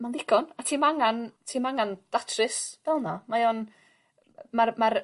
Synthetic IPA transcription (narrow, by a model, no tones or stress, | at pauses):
manðɪɡɔnatʰiːmaaŋantʰiːmaŋand̥atʰrɨsb̥ɛlˠnamajon | marmar